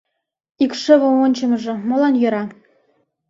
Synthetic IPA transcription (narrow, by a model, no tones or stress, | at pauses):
ikʃɘ̆βŏmonʲt͡ɕɤ̆mɤ̆ʒɤ̆mɤ̆lɑnjø̆ɾɑ